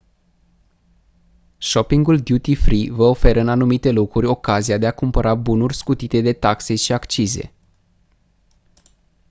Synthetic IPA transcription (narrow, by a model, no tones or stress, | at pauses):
ʃo̞piŋɡuld̪jut̪ifɾivəo̞fe̞ɾəɨnanumit̪e̞lo̞kɾurʲo̞kaziad̪e̞akumpəɾʔabunurʲskut̪it̪e̞d̪e̞t̪akse̞ʃiakt͡ʃize̞̰